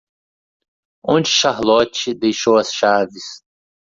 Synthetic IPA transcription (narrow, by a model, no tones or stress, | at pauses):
õd͡ʒɪʊʃaɦlɔt͡ʃɪd̪ejʃowɐsʃavɪs